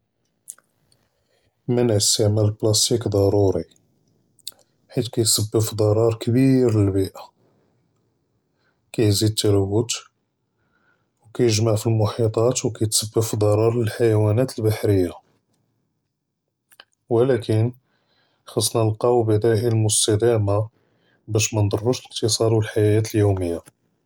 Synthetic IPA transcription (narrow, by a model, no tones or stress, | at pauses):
mənʕəst̪ːəʕmæləlblɑst̪ikd̪ˤɑɾˤuɾi | ħit̪kæjsəbːəfid̪ˤɑɾˤɑɾˤkbiɾləlbiʔa | kæjzid̪̚t̪ːæɾəwːət̪ | wkæjəʒmaʕfilmʊħit̪ˤɑt̪wkæjt̪səbːəfid̪ˤɑɾˤɑɾˤləlħajwænæt̪əlbaħɾəjːa | wlækən | xɑsˤːnælqɑwbæd̪æʔilmʊst̪æd̪æma | bæʃmænd̪ˤɑrˤːuʃləqt̪əsˤɑd̪wəlħajæt̪əljuməjːa